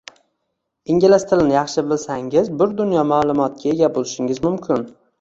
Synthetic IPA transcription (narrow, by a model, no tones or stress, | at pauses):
ɪŋɡʲalɪst̪ʰɪlɪnɪjɑχʃɪbɪlsaŋɪzbʊɾd̪ʊnjɒmaːlˠʊmɒt̪̚kʲae̞ɡʲabolˠɪʃɪŋɪzmʊmkʲʰɪn